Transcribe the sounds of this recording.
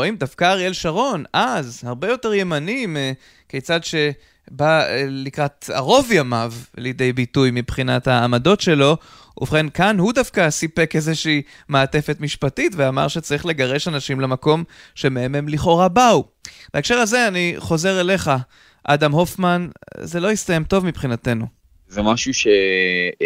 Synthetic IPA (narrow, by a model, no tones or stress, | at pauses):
oimd̪afkaʁielʃaʁo̞nʔazhaʁbe̞jo̞te̞ʁje̞manim | kejt͡sadʃe̞ | balikʁat̪a̰ʁo̞vjamavljed̪ejbitujmipχinathaːmado̞tʃe̞lo̞ | ṵvχenkanhudafkasipekezeʃiː | meːte̞fe̞tmiʃpatitveama̰ʁʃet͡saʁiχle̞ɡaʁe̞ʃanaʃimlemako̞mʃe̞meeme̞mliχo̞ʁabau | b̥aekʃe̞ʁazeaniχo̞ze̞ʁele̞χa | ʔa̰damɦo̞fmanzelo̞ist̪ajemtovmipχinate̞nu | zemaʃuʃe